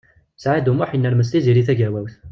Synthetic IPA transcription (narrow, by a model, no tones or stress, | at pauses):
sʕad̪umʊħjinːælməsliziliθæɡæwæwθ